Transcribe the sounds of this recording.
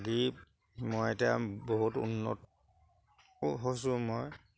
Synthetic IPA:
ɡi | mojetiaboɦutṵnːɔ̰t | ɦos̬ʊmoj

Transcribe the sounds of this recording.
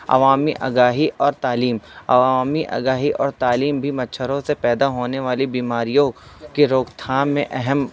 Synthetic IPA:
ɐ̰ʋaːmiʔɐ̰ɡaːɦiʔɔːɾt̪aːliːmɐ̰ʋaːmiʔɐ̰ɡaːɦiʔɔːɾt̪aːliːmbʱimɐtːʃʰəɾõsepɛːd̪aɦoːneʋaːlibiːmaːɾijõkeɾoːɡt̪ʰaːnmẽʔɛɦɛm

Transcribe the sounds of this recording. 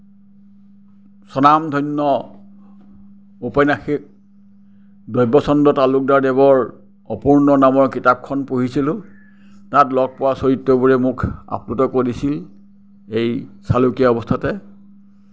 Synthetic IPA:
sɔnamdʱɔjnːɔ | upajnaxik̚ | dɔjbɔsɔndɔtalʊk̚daɹdɛβɔɹ | ɔpuɹnɔnamɔɹkitap̚kʰɔnpoɦisilʊ̃ | tatlɔɡ̚pɔwasoɹitːɔbuɹɛmʊkʰa̰pnutɔkodisil | ejsalukijaɔbɔstʰatɛ

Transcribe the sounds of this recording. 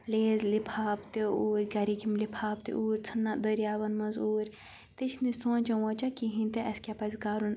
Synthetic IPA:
leːzlipʰaːpt̪euːɾʲɡɐɾikimlipʰaːp̚t̪ḭʔuːɾʲt͡sʰɐnːad̪əɾjaːʋɐnmɐnzuːɾʲ | t̪it͡ʃʰnisõːnʲt͡ʃɐwõːt͡ʃakiɦĩnt̪eʔɐskʲaːpɐzɡaːɾun

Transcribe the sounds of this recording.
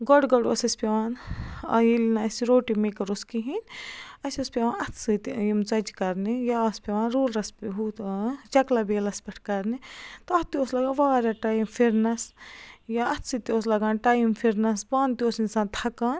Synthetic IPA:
ɡɔɽɡɐɽuɐ̰sɐspʲeʋaːnɐ̰jilnɐɐsiɾoːʈimekɐɾoskiɦinʲɐsʲɐspʲeʋãːnɐt̪ʰsɨt̪jimt͡sɐd͡ʒkɐɾnijaɐspʲeʋaːnɾuːlɾɐspiɦut̪t͡ʃɐklabeːlɐspʲɐʈʰkɐɾnit̪ɐt̪ioslɐɡaːnʋaːɾjaʈajimfʰiɾnɐsjaɐt̪ʰsɨt̪ios̬lɐɡaːnʈajimfʰiɾnɐsbaːnt̪iosinsaːnt̪ʰɐkaːn

